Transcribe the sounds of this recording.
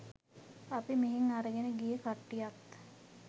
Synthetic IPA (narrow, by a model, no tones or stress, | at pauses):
apimeɦeŋaɾəɡenəɡijəkaʈːijak̪